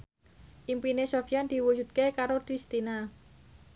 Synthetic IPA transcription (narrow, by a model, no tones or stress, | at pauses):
ʔimpinesofijand̪̥i̤wud͡ʒṳt̪̚kekaɾot̪ɾist̪ina